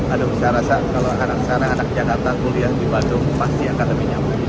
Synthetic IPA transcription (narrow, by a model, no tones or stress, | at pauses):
adʊŋsaɾasakaloanak̚saɾaːnak̚d͡ʒakart̪akuliahdibandʊŋpast̪iakanləmiɲama